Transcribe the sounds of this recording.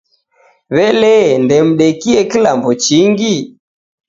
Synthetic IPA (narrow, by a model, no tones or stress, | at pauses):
βɛlɛndɛm̩ɗɛkiɛkilambɔt͡ʃiŋɡi